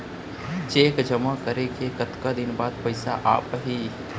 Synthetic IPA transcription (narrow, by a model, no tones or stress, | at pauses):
d͡ʒeːkd͡ʒəmakəɾekekət̪kad̪ɪnbaːd̪̚pəɪsa̰ʔa̰ːpɦi